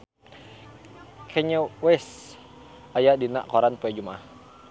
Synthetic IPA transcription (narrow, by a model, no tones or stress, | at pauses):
kʰɛɲowɛs | ajadina̰ʔkoɾanpuɛd͡ʒumah